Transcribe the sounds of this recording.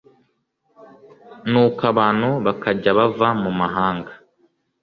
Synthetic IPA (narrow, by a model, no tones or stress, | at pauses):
nuːkaβaːnhuβakaɟaβavamumaɦaːŋɡa